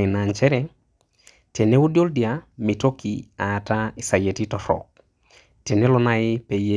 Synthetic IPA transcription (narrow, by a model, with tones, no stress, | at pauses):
ɪ˨na˨nt͡ʃɛ˦ɾɛ | te˨ne˦u˦djo˦ldia˨mi˨to˦kḭaː˨ta˦i˨sa˨je˨ti˦tɔɾɔ̰˨k̚ | te˨ne˦lɔ˦naɪ˦pe˨je˦